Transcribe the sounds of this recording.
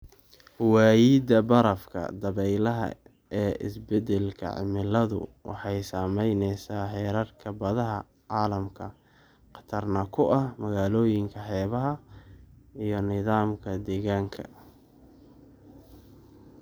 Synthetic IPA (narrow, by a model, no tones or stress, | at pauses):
waːjiːd̪ɐbɐɾɐfkʰɐ̰d̪ɐβɛjlɐɦɐ̰ | ɛːʔɪ̰sbɛd̪ɛlkʰɐ̰ʕɪ̰mɪlɐðʊ̰wʔɑ̰ħɑjsaːmɛjnɛsaːħɛːɾɐrkʰɐbɐðɐɦɐ | ʕɑːlɐmkʰɐ | qɑ̥t̪ʰɐrnɐkʰʊʔɐhmɐɣaːlɔːjɪŋkʰɐħɛːβɐɦɐ | ijɞnɪðaːmkʰɐd̪ɛːɣaːŋkʰɐ̰